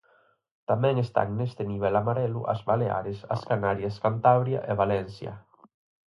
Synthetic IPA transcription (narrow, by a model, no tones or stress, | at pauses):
t̪amɛŋest̪a̰ŋnest̪eniβ̞ɛlamaɾɛlṵʔa̰zβalea̰ɾesaskanaɾjaskant̪aβɾja̰ʔeβalɛnsja̰